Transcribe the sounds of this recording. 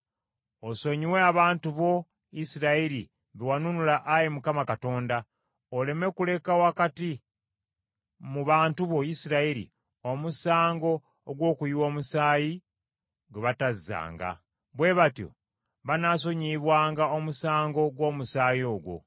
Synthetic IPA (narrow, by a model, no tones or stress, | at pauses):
oso̞ɲiwe̞aβaːntuβo̞ | isiɾaiɾi | βewanunulaʔajemukamakato̞ːnda | ole̞me̞kule̞kawakati | muβaːntuβo̞isiɾaiɾḭ | omusaːŋɡo̞ː | ɡwo̞ːkujiwo̞ːmusaːji | ɡweβatazːa̰ːŋɡa̰ | βwe̞βatjo̞̰ | βanaːs̬o̞ɲiːβwaːŋɡaomusaːŋɡo̞ɡwo̞ːmusaːjo̞ːɡwo̞̰